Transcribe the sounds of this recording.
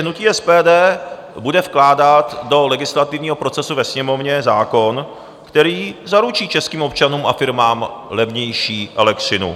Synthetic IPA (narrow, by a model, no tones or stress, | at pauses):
ɦnuciːʔɛspɛːdɛː | budɛfklaːdat̪do̞lɛɡɪslat̪ɪvɲiːɦo̞pɾo̞t͡sɛsuvɛsɲɛmo̞vɲɛzaːko̞n | kt̪ɛɾiːzaɾut͡ʃiːt͡ʃɛskiːmo̞p̚t͡ʃanuːmʔa̰fɪɾmaːmlɛvɲɛjʃiːʔɛlɛkt̪rɪnṵ